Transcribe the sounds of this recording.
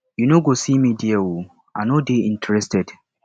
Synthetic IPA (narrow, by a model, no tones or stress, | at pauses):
junoɡosimidɪawo | ʔa̰nodeːʔɪ̃ntɾɛstɛd